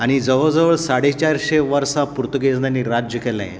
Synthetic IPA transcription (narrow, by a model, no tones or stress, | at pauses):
aɽ̃id͡zəʋəd͡zəʋəɭsaɽet͡ɕaɾɕeʋəɾsapuɾt̪əɡed͡znaniɾad͡ʑjəkɛla̰jḛ